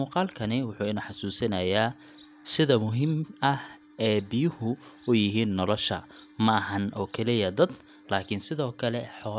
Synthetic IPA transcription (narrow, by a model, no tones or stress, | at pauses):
uːqɑːlkʰɐnɪwʊħuːɪnɐħɑsuːsɐnɐjaː | sɪðɐmʊɦɪmɐh | ɛːbɪjʊhʊʊjɪɦiːnːɔlɔʃɐ̰mɐɐɦɐnʔɔːkʰɛlɪjɐd̪ɐd̪ | laːkʰɪnsɪðɔːkʰɐlɛħɔː